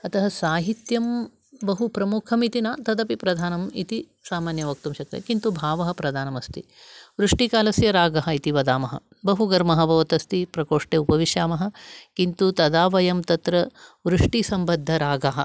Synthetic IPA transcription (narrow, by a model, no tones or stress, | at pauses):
ɐt̪ʰɐɦɐsaːɦit̪jɐm | bɐɦupɾɐmukʰɐmit̪inaːt̪ɐd̪ɐpipɾɐd̪ʱaːnɐmit̪i | saːmaːnjɐʋɐk̚t̪umʃɐt̪ːɐ̰kint̪ubʱaːʋɐɦɐpɾɐd̪ʱaːnɐmɐst̪ḭ | ʋɾuʂʈikaːlɐsjɐɾaːɡɐɦɐit̪iʋɐd̪aːmɐɦɐ̰ | bɐɦuɡɐɾmɐɦɐbɐʋɐt̪ɐst̪ipɾɐkoːʂʈeːupɐʋiʃjaːmɐɦɐ̆kint̪ut̪ɐd̪aːʋɐjɐmt̪ɐt̪ɾɐʋɾuʂʈisɐmbɐd̪ʱːɐɾaːɡɐɦɐ